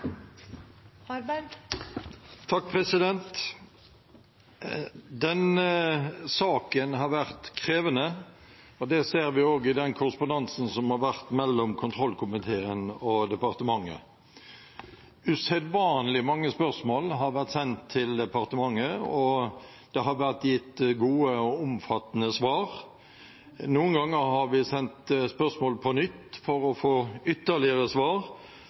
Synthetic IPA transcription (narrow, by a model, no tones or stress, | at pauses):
t̪ʰɑk̚ːpʰʁɛsɪd̪ɛnt̪ | d̪ɛn | sɑːkənɦɑɾʋæʁt̪kʰɾeːʋənə | ɔd̪ɛseːɾʋɪoːɡɪd̪ɛnkʰʊɾəspʊnd̪ɑnsn̩sɔmhɑɾʋæʁt̪mɛlːɔmkʰʊnt̪ʰʁɔlːkʰʊmɪt̪ʰeːənɔd̪ɛpɑʁt̪əmɑŋːə̰ | ʉsɛd̪ʋɑːnlɪmɑŋːəspœʁsmoːlɦɑɾʋæʁt̪sɛnt̪ʰːɪld̪ɛpɑʁt̪əmɑŋːəɔ | d̪̥ɛɦɑɾʋæʁt̪jɪt̪ːɡuːəɔʊmfɑt̪ːənəsʋɑːʁ | nuːənɡɑŋːəɾɦɑɾʋɪsɛnt̪spœʁsmoːlpʰɔnʏt̪ːfɔɾɔfoːʏt̪ːəlɪəɾəsʋɑːʁ